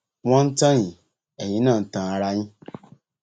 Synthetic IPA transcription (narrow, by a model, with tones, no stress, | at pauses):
wɔ̃˦n̩˦tã˦ɲĩ˨ | e˨jĩ˦nã˦˨n̩˨tã˨a˨ɾa˦ɲĩ˦